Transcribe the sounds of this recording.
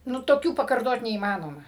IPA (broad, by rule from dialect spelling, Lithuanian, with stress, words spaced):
ˈnʊ toːˈkʲuː pɐkɐrˈtoːt nʲɛiːˈmɑːnoːmɐ